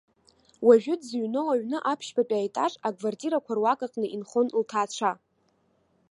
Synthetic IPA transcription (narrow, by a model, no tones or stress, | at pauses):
waʒᶣʊdzɥnowaɥnɨʔapʰʃbapʼaːjtʼaʂʼakʰʼvartʼiɾakʷʰarwakʼaqʼnɨʔinχonltʰaːt͡ʃʷʰa